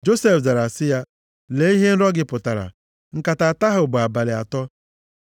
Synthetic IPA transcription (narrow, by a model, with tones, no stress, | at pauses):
d͡ʒo˦se˨fda˨ɾa˨sɪ˦ja˦ | le˨˦i˦ɦe˦n̩˦ɾɔ˦ɡɪ˦pʊ˨ta˨ɾa̰˨ | ŋ̩˨ka˨ta˨ta˦ɦʊ˨ɡ͡ba˨ba˨lɪ˨a̰˨tɔ˦